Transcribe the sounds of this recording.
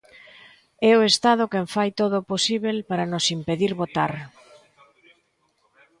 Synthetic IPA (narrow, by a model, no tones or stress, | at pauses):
ɛʊest̪að̞ʊkeɱfajt̪oðoposiβelpaɾanosimpeðiɾβot̪aɾ